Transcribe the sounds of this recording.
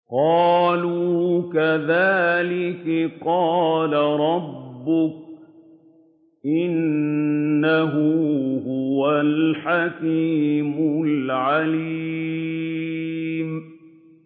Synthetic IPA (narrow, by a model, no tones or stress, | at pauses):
qɑːluːkaðaːlɪkaqɑːlaɾˤɑbːʊk̚ | ʔɪnː | aɦʊhʊwalħakiːmʊlʕali | m